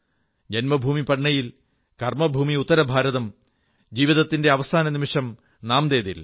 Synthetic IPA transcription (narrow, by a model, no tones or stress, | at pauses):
d͡ʑenmɐbʱuːmipɐɳːɐjil | kɐrmɐbʱuːmiut̪ːɐɾɐbʱaːɾɐðɐm | d͡ʑiːʋiðɐt̪ːinde̞ɐʋɐst̪ʰaːnɐnimiʂɐm | naːmd̪e̞ːðḭl